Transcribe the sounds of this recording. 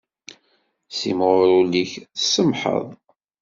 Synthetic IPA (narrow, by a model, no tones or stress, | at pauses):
simʁʊɾuliçsəmħə̰ðˤ